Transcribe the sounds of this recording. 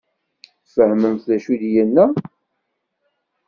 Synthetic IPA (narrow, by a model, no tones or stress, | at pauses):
θfəhməmθðæʃuðjənːæ